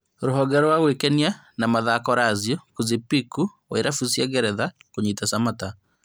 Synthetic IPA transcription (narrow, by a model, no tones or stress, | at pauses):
ɾoɦɔɡɛɾwaɣwekɛnia | namaðakɔɾaːzjɔkuzipikuwaeɾafusjaɡɛɾɛðakoɲitasamata